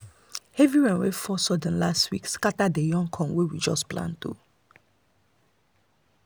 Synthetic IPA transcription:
hɛviɹɛ̃nwefɔsɔdə̃nlastwḭkskatadejɔ̃ŋkʰɔ̃nwewid͡ʒɔsplã̰ntṵ

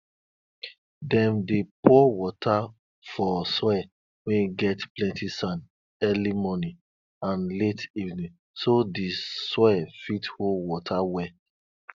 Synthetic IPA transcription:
dɛ̃mdepɔwɔtʰa | fɔswɛ | wɛ̃niɡɛtplɛ̃ntisãn | ɛlimɔnĩ | ãnletivnĩŋ | sodeswɛfitholwɔtʰawɛ

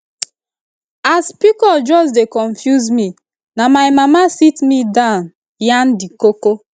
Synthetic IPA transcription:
aspikɔd͡ʒɔs̬dekɔɱfjuzmi | namaɪjmamasitmidaʊn | jandikoko

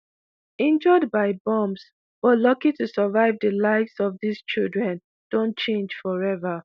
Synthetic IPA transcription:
ĩnd͡ʒɔd̚baɪbɔ̃ms | b̥ɔtlɔkitusəvaɪvdəlaɪvsɔvðist͡ʃildɹɛ̃n | d̥õnt̚t͡ʃẽnd͡ʒfɔɹɛvə

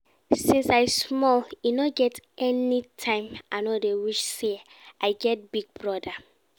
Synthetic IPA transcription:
sĩnsaɪsmɔlinɔɡɛtɛnitʰãɪ̃mʔanɔdewiʃse | ʔaɪɡɛt̚b̥iɡ̚bɹɔda

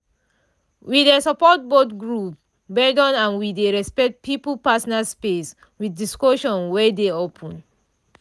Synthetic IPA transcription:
widesɔpɔt̚botɡɹup | bɛdɔ̃nãnwideɹɛspɛk̚t̚pʰiplpasɔnaspes | wiθdiskoʃɔ̃nwɛdeopʰɔ̃n

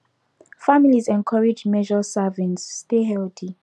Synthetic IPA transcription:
familizɛ̃nkʰɔɹɛd͡ʒmɛʒɔsavɛ̃ntsːteɦɛltʰi

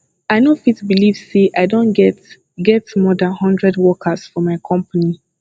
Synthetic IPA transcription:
aɪnofitbilivseʔaɪdõnɡɛ | ɡɛtmɔdãnhɔ̃ndɹɛdwɔkʰəsfɔmaɪkʰɔ̃mpəni

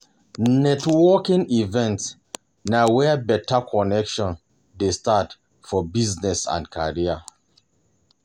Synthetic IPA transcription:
nɛtwɔkĩŋivɛ̃nts | nawɛbɛtʰakʰɔnɛkʃɔ̃n | destat | fɔbiznɛsã̰ndkʰa̰ɹia

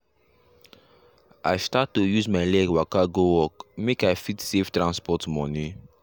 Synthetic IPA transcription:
ʔa̰ɪstatːujuzmaɪlɛɡwakaɡowɔkmekaɪfitseftɹãnspɔtmɔ̃ni

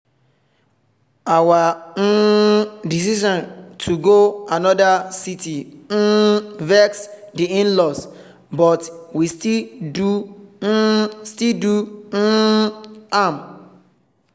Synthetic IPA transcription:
awa | dis̬iʃɔ̃ntʰuɡoanɔdasiti | vɛksdiĩnlɔs | bɔtwistidu | stildu | am

